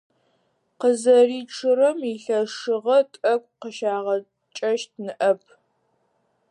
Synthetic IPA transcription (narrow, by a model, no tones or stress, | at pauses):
qəzɐriːʈ͡ʂʰɨrɐmiɬɐʂɨʁɐtʼɐkʷʼqəʃaːʁɐ | t͡ʃʼɐʃt̚nɨʔɐpʰ